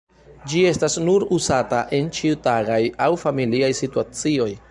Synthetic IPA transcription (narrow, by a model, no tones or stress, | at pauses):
d͡ʒie̞stasnuɾuzataʔe̞nt͡ʃiutaɡajawfamiliajsituat͡sio̞j